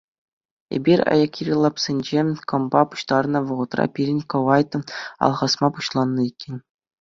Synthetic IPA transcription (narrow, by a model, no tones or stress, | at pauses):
ḛbʲiɾʲɑ̰jɑkʲirʲlˠɑpsʲenʲd͡ʑekɤ̆mbɑpu̥ɕt̪ɑrnɤ̆ʋɤ̆ʁɤ̆t̪rɑ̰pʲiɾʲɘ̆nʲkɤ̆ʋɑjt̪ɤ̆ɑ̰lˠʁɑsmɑpuɕlˠɑnːɤikʲːenʲ